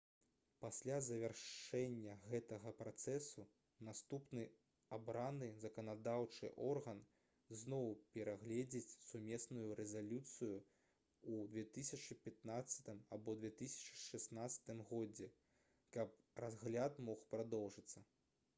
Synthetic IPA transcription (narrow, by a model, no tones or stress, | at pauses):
pasʲlʲazɐvʲarʂʂɛnʲːɐɣɛt̪ɐɣɐpɾat̪sɛsu | nast̪upnɨ | abɾanɨzɐkɐnad̪awt͡ʂɨ̰ʔɔrɣɐn | znɔwpʲɛɾaɣlʲɛd͡zʲit͡sʲsumʲɛsnujuɾɛzalʲut̪sɨju | ud̪vʲɛt̪ɨsʲɐt͡ʂɨpʲat̪̚nat̪sːɐ̥t̪ɨmabɔd̪vʲɛt̪ɨsʲɐ̥t͡ʂɨ̥ʂɛsnat̪sɐ̥t̪ɨmɣɔd͡zʲɛ | kɐp̚razɣlʲat̪mɔxpɾad̪ɔwʐɨt̪sːɐ